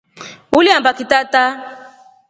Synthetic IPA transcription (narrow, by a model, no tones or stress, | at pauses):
uliãbakitata